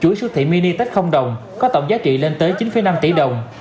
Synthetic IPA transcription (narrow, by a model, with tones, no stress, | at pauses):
t͡ɕu˧˩˦jsɨ˦˥k̚t̪ʰḭ˧˨mi˧ni˧t̪ə˦˥t̟̚xə˧wŋ͡mɗə˨˩wŋ͡m | kɔ˨˦t̪ə̰˧˨wŋ͡mzaː˨˦t͡ɕḭ˧˨le˧nt̪əː˨˦jt͡ɕi˨˦nfə˨˦jna˧mt̪ḭ˧˩ɗə˨˩wŋ͡m